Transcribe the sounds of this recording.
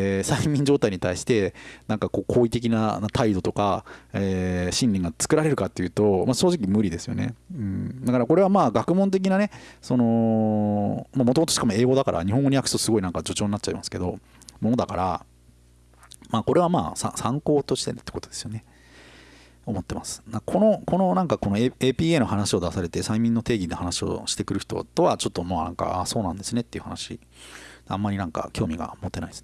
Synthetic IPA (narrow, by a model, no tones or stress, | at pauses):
saimʲĩɲd͡ʑoːt̪aiɲ̟it̪aiɕi̥t̪e̞nãŋkako̞ːkʰo̞ːit̪e̞k̬ʲinaat̪aid̪o̞t̪o̞ka̰eːɕĩnʲːẽŋɡat͡sɨ̥kɯ̟ɾaɾe̞ɾɯ̟kat̪ːe̞jɯ̟ːt̪o̞maɕoːʑik̬ʲimɯ̟ɾʲid̪e̞sɨjo̞̰ne̞̰ɯ̟̃ɴd̪akaɾako̞ɾe̞β̞amaːɡakɯ̟mõnt̪̬e̞k̬ʲinane̞so̞no̞ | maːmot̪omot̪oɕi̥kamo̞e̞ːɡo̞d̪akaɾʔa̰ɲ̟ihõŋɡoɲʲijakɯ̟̥t̪osɨɡo̞inãŋkad͡ʑo̞t͡ɕo̞ːɲ̟inatt͡ɕaimasɨ̥ke̞̰d̪o̞ | mo̞nod̪akaɾa̰ | maːko̞ɾe̞βamaːsa̰sãŋko̞ːt̪o̞ɕi̥t̪e̞̰t̪e̥kot̪od̪e̞sɨjo̞ne̞ | o̞mo̞t̪ːe̞masɨ̥d̪akʰo̞no̞ko̞no̞nãŋkako̞noeeːpʲiːeːno̞hanaɕio̞d̪asaɾe̞t̪e̞saimʲĩnːo̞t̪eːɡʲinohanaɕio̞̰ɕi̥t̪e̞kɯ̟ɾɯ̟çi̥t̪o̞̰t̪o̞βat͡ɕo̞t̪ːo̞maːnã̰ŋka̰aso̞ːnãnd̪e̞sɨnet̪ːe̞iɯ̟hanaɕḭ̥ | ã̰mːaɾʲinãŋka̰kʲo̞ːmʲiɡa̰mo̞t̪ːe̞naiesne